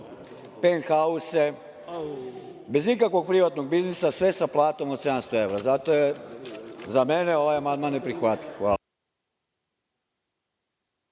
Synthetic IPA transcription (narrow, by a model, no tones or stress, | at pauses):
penxause | be̞zikakʋo̞ɡ̚pɾiʋat̪no̞ɡ̚biznisasʋe̞saplˠaːt̪o̞mot̪se̞d̪amst̪oe̞ʋɾazat̪oje | zameneo̞ʋajamand̪maːnːepɾixʋat̪iʋxʋaː